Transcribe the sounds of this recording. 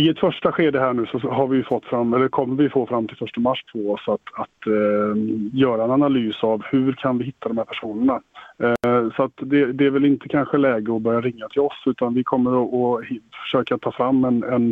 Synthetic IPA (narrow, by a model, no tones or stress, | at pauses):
ɪɛt̪fœʂʈaɧeːd̪əɦæːɳʉ̟ːsɔɦaɾvɪjɵfɔt̪ːfɾamːɛlːəɾkʰɔmːəɾvɪjfoːfɾamːt̪ʰɪlfœʂʈəmaʂːpʰɔɔsat̪at̪ | jœːɾaɛnanalyːsavhʉɾkʰanvɪhɪt̪ʰːad̪ɔmhæɾpʰæʂuːnəɳa | sɔat̪d̪ɛd̪ɛæɾvɛlɪnt̪əkʰanɧəlɛːɡəɔbœɾjaɾɪŋːat̪ʰɪlɔsʉ̟ːt̪anvɪkʰɔmːəɾɔɔhfœ̥ʂøːkat̪ʰːɑːfɾamːɛnɛn